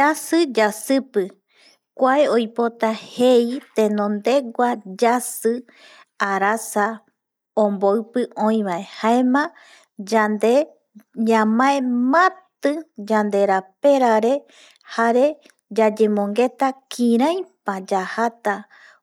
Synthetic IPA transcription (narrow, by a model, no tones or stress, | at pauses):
asɨd͡ʒasɨpɨ | kʷaeojpo̞t̪ahe̞it̪ẽnõ̞nd̪e̞ɡʷad͡ʒasɨ | aɾasa | õmboɨpɨʔõ̞ĩβae̞haemã | d͡ʒand̪e | ɲãmãẽmãt̪ɨd͡ʒand̪e̞ɾape̞ɾaɾe̞ | haɾe̞ | d͡ʒad͡ʒe̞mõ̞ŋɡe̞t̪akʰĩɾ̃ãjpad͡ʒahat̪a